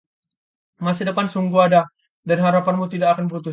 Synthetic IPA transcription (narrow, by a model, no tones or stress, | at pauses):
masɪdəpansuŋɡuada | danɦaɾapanmut̪idakːkanbəɾut̪̬u